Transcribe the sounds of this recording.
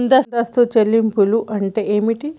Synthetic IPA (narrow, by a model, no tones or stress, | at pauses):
nd̪ɐsd̪ɐst̪ot͡ʃelːimpuluʔɐɳʈeːeːmiʈi